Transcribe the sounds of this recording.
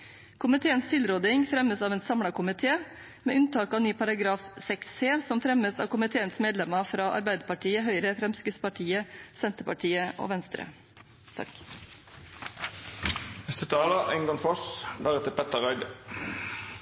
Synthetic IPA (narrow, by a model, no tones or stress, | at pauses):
kʰʊmɪt̪ʰeːənst̪ʰɪlɾoːd̪ɪŋfɾɛməsɑːʋɛːnsɑmɽɑkʊmɪt̪ʰeː | mḛːʉnt̪ʰɑːkɑːnyːpʰɑɾɑɡɾɑːfsɛksseːsɔmfɾɛməsɑ̰ːʋkʊmɪt̪ʰeːənsmeːd̪lɛmɑfɾɑːʔɑ̰ɾbæɪd̪əpɑʈʰiːəɦœʏɾəfɾɛmskəspɑʈʰiːəsɛnt̪əpɑʈʰiːəʔo̰ːʋɛnst̪ɾə̰ | t̪ʰɑ̰k | nɛst̪ʉt̪ʰɑːləɛ̰ŋɡɑŋfɔsd̪æʁɛt̪əpʰɛt̪əʁœʏd̪ə